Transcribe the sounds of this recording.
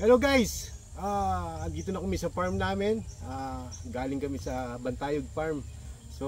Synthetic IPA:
hɛlowɡajs | ʔaːɐnd̪iːt̪onɐkʊmisɐpaɹmnaːmɪnʔaɡaːlɪŋkɐmɛsɐbɐnt̪aːjoɡ̚paɹm | so

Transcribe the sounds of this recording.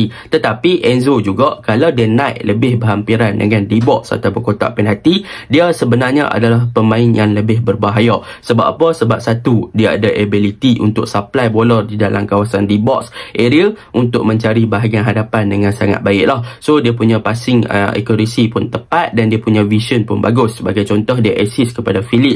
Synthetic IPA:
it̪ət̪apiʔɛnzod͡ʒuɡaʔkalawdiənãʔləbɪhbəɦampiɾandə̰ŋãndibɔʔsa̰t̪awpəkot̪a̰ʔpɛnɦat̪idiəsəbənarɲə̰ʔa̰dalahpəmãɪnjaŋləbɪɦbərbaɦaja | səba̰ʔapəsəbap̚sat̪udiaa̰daʔebilit̪iʔṵnt̪ʊk̚saplajbolɔrdidalamkawasandibɔ̰ksʔeɾiaʔunt̪ʊʔ̚mə̃ɲt͡ʃaɾibaɦaɡianɦadapandəŋãnsaŋa̰t̪̚baɪʔlahsodiapuɲãpasɪŋə̰ʔḛkoɾisipʊnt̪əpat̪̚dandiapuɲãvisiɔnpʊnba̰ɡʊsːəbaɡajt͡ʃɔnt̪ɔɦdiaʔɛsɪskəpadafilɪʔ̚

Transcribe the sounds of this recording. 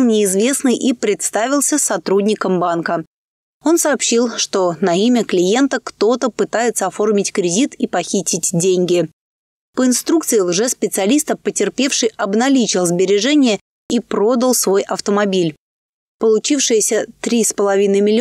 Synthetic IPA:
nʲɪːzvʲe̞snɨjʔipɾʲɪt̪st̪avʲɪlˠsʲəsɐt̪ɾudʲnʲɪkəmbankə | o̞nsɐːpɕːilˠʂt̪o̞nɐimʲəklʲɪje̞nt̪əkt̪o̞t̪əpɨt̪ajɪt̪səɐfo̞rmʲɪtʲkɾʲɪdʲit̪ipɐxʲitʲɪtʲdʲenʲɡʲɪ | pəɪnst̪ɾukt̪sɨɪlˠʐɛspʲɪt̪sɨɐlʲist̪əpətʲɪrpʲe̞fʂɨjɐbnɐlʲit͡ɕɪlˠzbʲɪɾʲɪʐɛnʲɪjə | ipɾo̞d̪əlˠsvo̞jʔɐft̪əmɐbʲilʲ | pəlˠʊt͡ɕifʂɨjəsʲət̪ɾʲispəlˠɐvʲinəjmʲɪlʲɪ

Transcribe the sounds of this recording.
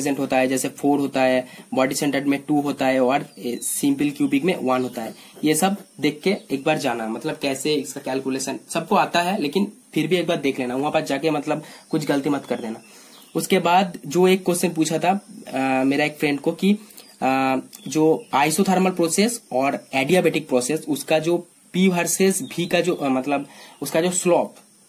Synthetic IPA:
zẽɳʈɦoːt̪aɦɛd͡ʒɛːsefʰoːɾɦoːt̪aɦɛbɔːɖisɛ̃ɳʈəɾmẽʈuɦoːt̪aɦɛɔːɾsɪ̃mpɪlkjuːbɪkmẽʋɐnɦoːt̪aɦɛː | jesɐbd̪eːkʰːeeːk̚baːɾd͡ʒaːnamɐt̪ləb̚kɛːseɪskakɛːlkjuleːʃənsɐb̚koaːt̪aɦɛleːkɪnpʰɪɾbʱieːk̚baːɾd̪eːkʰleːnaʋʊɦãpəsd͡ʒaːkemɐt̪ləbkʊt͡ʃʰɡɐlət̪imɐt̪kɐɾd̪eːna | ʊskebaːd̪d͡ʒoːeːkːoːssemep̬uːt͡ʃʰat̪ʰa | meːɾaeːkfɾɛ̃ɳɖkoki | d͡ʒoːaːɪsot̪ʰaːɾməlpɾoːseːsɔːɾɛːɖiaːbeːʈɪk̚pɾɔːseːsʊskad͡ʒoː | piʋaːɾsesbʱikad͡ʒoːmɐt̪ləbʊskad͡ʒoːslɔːp

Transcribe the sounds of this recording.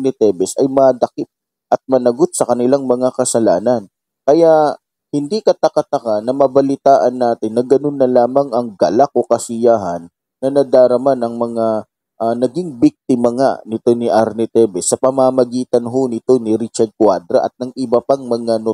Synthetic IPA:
nɛt̪ɛbɛsɐjmɐd̪ɐkɪp̪̚ | ʔɐt̪̚mɐnɐɡo̞t̪̚sɐkɐnɪlaŋmɐŋakɐsɐlaːnɐn | kɐja | hɪnd̪ikɐt̪ɐkat̪ɐkanɐmɐbɐlɪt̪aːʔɐnːaːt̪ɪnːɐɡɐno̞nːɐlaːmɐŋɐŋɡɐlak̚ʔo̞kɐsɪjaɦɐnː | ɐnɐd̪aːɾɐmanɐŋmɐŋa | ʔanɐɡiŋbik̚t̪ɪmɐŋa̰nɪt̪o̞nɪʔaɾnɛt̪ɛbɛsːɐpɐmaːmɐɡiːt̪ɐnɦo̞nɪt̪o̞nɪɾit͡ʃɐɾd̪̚kwad̪ɾɐʔɐ̰t̪̚nɐŋʔɪbɐpɐŋmɐŋano

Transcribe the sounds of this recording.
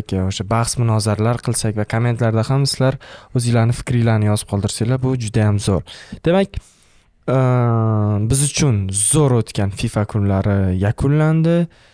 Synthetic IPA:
kʲoʃabɑχsmʊnɒzaɾlaɾqʰɨlˠsakʲvakʰome̞nt̪laɾd̪ahamsɪlaɾɵzɪlaɾnɪfɪ̥kʲɾɪlaɾnɪjɒzɨp̚qʰɒlˠd̪ɪɾsajlabʊd͡ʒʊd̪ajamzoɾd̪̥e̞makʲ | bɪzʊt͡ʃʰʊnzoɾot̪kʲanfifakʰʊnlaɾɪjakʰʊnland̪ɪ

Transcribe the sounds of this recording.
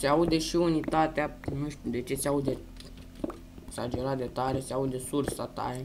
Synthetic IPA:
seaud̪e̞ʃiunit̪at̪eanuʃt̪ʲud̪e̞t͡ʃe̞t̪seaud̪e | eksad͡ʒeɾat̪d̪et̪aɾeseaud̪e̞sursat̪a̰je

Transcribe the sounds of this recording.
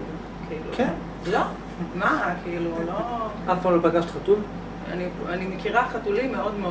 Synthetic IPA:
kʰiilṵkʰen | lo | makʰiiluloʔafpamlopaɡaʃt̪χat̪ul | a̰nianimekiʁaχat̪ulimːeo̞d̪meo

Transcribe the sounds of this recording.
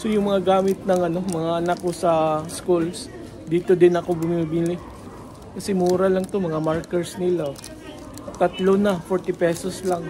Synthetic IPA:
so̞jʊŋmɐŋaɡaːmɪt̪̚nɐŋɐno̞mɐŋaʔɐnakːosɐskuls | d̪iːt̪o̞d̪ɪnɐko̞bʊmimibilɪ | kɐsɛmuːɾɐlɐŋt̪o̞mɐŋamaɹkɛɹsnɪla | t̪ɐt̪lonɐfoɹt̪ɪpɛːsoslaŋ

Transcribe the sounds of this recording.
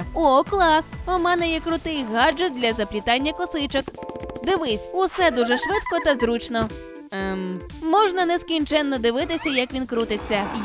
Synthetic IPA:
ɔklˠɑsɔmɑnɛjɛkɾʊt̪ɪjɣɑd͡ʒɛt̪̚d̪lʲɐzɐplʲit̪ɑnʲːɐkɔsɪt͡ʃɔkd̪ɪʋɪsʲusɛd̪uʒɛʃʋɪt̪kɔt̪ɐzɾut͡ʃnɔ | m | mɔʒnɐnɛskʲinʲt͡ʃɛnːɔd̪ɪʋɪt̪ɪsʲɐjɐkʋʲinkɾut̪ɪt͡sʲːɐ

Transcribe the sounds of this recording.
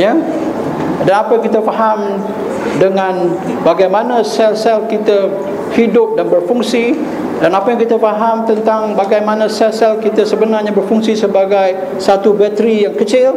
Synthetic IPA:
ja | danapajaŋkit̪afaɦam | dəŋãn | baɡajmanasɛlsɛlkit̪a | hidʊp̚danbərfuŋsi | danapajaŋkit̪afaɦamt̪ənt̪aŋbaɡajmãnãsɛlsɛlkit̪asəbənarɲabərfuŋsisəbaɡaj | sat̪ubɛt̪ɾijaŋkət͡ʃɪl

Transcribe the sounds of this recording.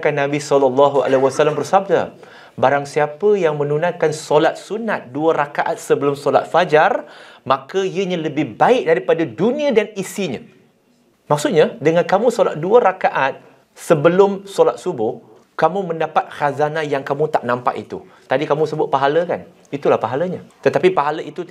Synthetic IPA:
kanːãbisɔlɔlːɑɦua̰lewasalːambərsab̚da | baɾaŋsiapəjaŋmə̃nunãnkansɔlat̪̚sunat̪̚duəɾakaʔat̪̚səbəlʊmsɔla̰t̪̚fad͡ʒarmakəiəɲãləbɪhbaɪk̚daɾipadadunĩãdanisiɲã̰ | mak̚sut̪̚ɲadəŋankamũsola̰t̪̚duəɾakaʔat̪̚ | səbəlʊmsolat̪̚subʊh | kamũmə̃ndapat̪̚xazanajaŋkamũt̪aʔnãmpa̰ʔḭt̪ṵ | t̪adikamũsəbʊt̪̚paɦaləka̰n | it̪ulahpaɦaləɲat̪ət̪apipaɦaləʔit̪u

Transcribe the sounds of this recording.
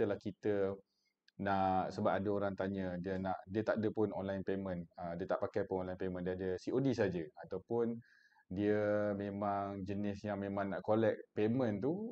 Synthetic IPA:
əlahkit̪ə | naʔsəbaʔadəoɾaŋt̪aɲədiənaʔdiət̪aʔdəpʊnɔnlajnpemə̃nədiət̪aʔpakajpʊnɔnlajnpemə̃ndiadəsiʔodisad͡ʒəat̪awpʊn | diəmẽmaŋd͡ʒənɪsjaŋmẽmãŋnaʔkolɛk̚pemə̃nt̪u

